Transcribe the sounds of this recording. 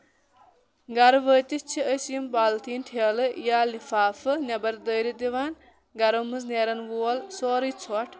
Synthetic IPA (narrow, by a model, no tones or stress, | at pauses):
ɡɐɾʋəːt̪ʲist͡ʃʰiəsjumbaːlt̪ʰiːnʈʰeːlɨjaːlifaːfɨnʲɐbɐɾd̪əːɾid̪iʋaːn | ɡɐɾɐmɨzneːɾɐnʋuːɐlsoːɾit͡sʰoʈʰ